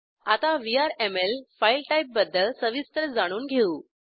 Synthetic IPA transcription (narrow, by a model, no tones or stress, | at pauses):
at̪aʋiaɾemelfailʈajip̚bəd̪ʱːəɭsəʋist̪ɾəd͡zaɽ̃uːnɡʱeuː